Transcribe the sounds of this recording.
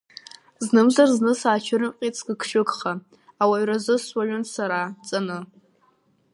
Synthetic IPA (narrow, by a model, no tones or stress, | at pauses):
znɨmzarznɨsaːt͡ʃʰɪɾɨmqʲʼit͡sʰɡɨkʰʃʊkχaː | waɥrazɨswaʒʷʊnsaɾat͡sʼanɨ